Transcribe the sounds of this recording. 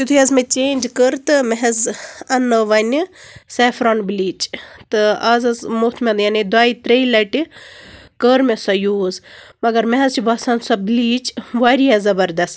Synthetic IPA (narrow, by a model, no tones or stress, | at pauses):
t͡ʃit̪ʰujɐzmẽt͡ʃeːnʲd͡ʒkəɾt̪ɨmɐɦɐzɐnːɨʋɐniseːfɾoɳbiliːt͡ʃt̪ɨɐzɐzmot̪ʰmʲẽnd̪janed̪aːit̪ɾeilɐʈi | kəɾmesɔjuːzmɐɡɐɾmeɦɐzt͡ʃibɐsɐnsɔbliːt͡ʃʋaːɾiɐzɐbɐɾd̪ɐst̪